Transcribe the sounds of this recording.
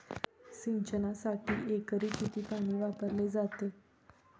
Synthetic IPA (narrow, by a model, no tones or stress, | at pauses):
siɲt͡ɕənasaʈḭːʔekəɾiːkit̪ʰiːpaɽ̃iːʋapəɾled͡zat̪e